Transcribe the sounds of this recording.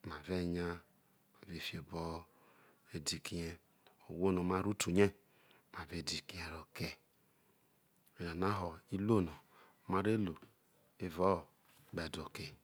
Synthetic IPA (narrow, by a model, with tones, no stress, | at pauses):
ma˨ve˦ɲa˦ | ma˨ve˨fi˦e˨bɔ˦ | e˦di˨ki˦je˦ | o˨wo˦no˨ma˦ɾu˦tu˨ɲe˦ | ma˨ve˨di˨ki˦e˨ɾo˨ke˦˨ | a˨na˦ɦɔ˨i˦lo˦˨no˨˦ | ma˦ɾe˦lo˨ | e˦vɔ˦˨ | ɡ͡bɛ˨do˨ke˨